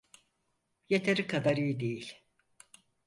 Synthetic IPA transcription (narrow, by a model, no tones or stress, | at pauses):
jet̪ʰeɾikʰad̪aɾɯjd̪ejilʲ